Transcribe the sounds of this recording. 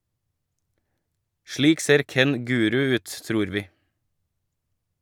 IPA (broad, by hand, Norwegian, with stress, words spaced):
ˈʃɭiːk ˈseːɾ ˈkɛn ˈɡʉːɾʉ ˈʉːt ˈtɾuːɾ ˈʋiː